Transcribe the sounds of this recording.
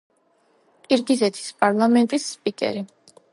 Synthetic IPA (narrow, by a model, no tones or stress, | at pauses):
kʼiɾɡizɛt̪ʰi̥spʼaɾlˠamɛnt̪ʼisːpʼikʼɛ̰ɾi